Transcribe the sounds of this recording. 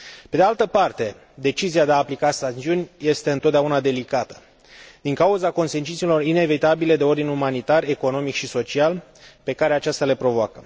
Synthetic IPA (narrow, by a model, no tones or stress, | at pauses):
pe̞d̪ealt̪əpart̪e̞ | d̪e̞t͡ʃiziad̪e̞aːplikasat͡ʃ̪iunʲje̞st̪e̞ɨnt̪ot̪d̪aunad̪e̞likat̪ə̥ | d̪iŋkauzako̞nse̞nt͡ʃit̪silo̞rine̞vit̪abile̞d̪e̞o̞rd̪inumanit̪are̞ko̞no̞mikʃiso̞t͡ʃial | pe̞kaɾeat͡ʃast̪ale̞pɾo̞voakə